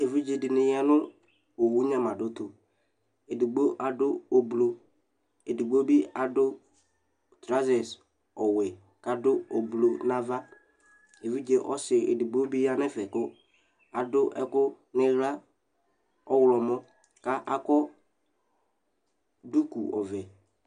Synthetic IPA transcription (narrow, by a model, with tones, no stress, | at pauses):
e˨vi˦d͡ʒe˨dɪ˨nɪ˨ja˦nʊ˦ | o˨wu˦ɲa˦ma˨dʊ˦tʊ˨ | e˨di˨ɡ͡bo˦ʔa˨dʊ˦o˨blo˨ | e˨di˨ɡ͡bo˦bi˦a˨dʊ˦ | tɾa˦zɛ˨s | ɔ˨we˨ | ka˨dʊ˦o˨blo˨na˦va˦ | e˨vi˦d͡ʒe˦ʔɔ˦sɪ˨ḛ˨di˨ɡ͡bo˦bi˦a˦nɛ˦fɛ˨kʊ˦ | a˨dʊ˦ʔɛ˦kʊ˦ | nɪ˦ɣla˦ | ɔ˦wlɔ˨mɔ˦ | ka˦ʔa˨kɔ˦ | du˦ku˨ɔ˨vɛ˨